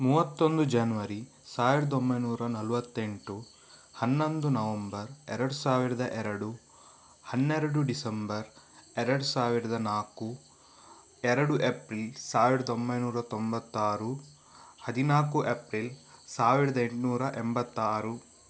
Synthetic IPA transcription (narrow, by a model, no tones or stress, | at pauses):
muːʋɐt̪ːo̞nd̪ud͡ʒɐnʋɐɾi | saːʋiɾɐd̪ombɐjnuːɾɐnɐlʋɐt̪ːe̞ɳʈu | hɐnːo̞nd̪unɐʋɐmbɐɾɛɾɐɽusaːʋiɾɐd̪ɐʔɛɾɐɽu | hɐnːɛɾɐɽuɖisɐmbɐɾ | ɛɾɐɽusaːʋiɾɐd̪ɐnaːku | ɛɾɐɽuʔepɾilsaːʋiɾɐd̪ɐombɐjnuːɾɐt̪ombɐt̪ːaːɾu | hɐd̪inaːkuʔepɾilsaːʋiɾɐd̪ɐeɳʈnuːɾɐʔɛmbɐt̪ːaːɾu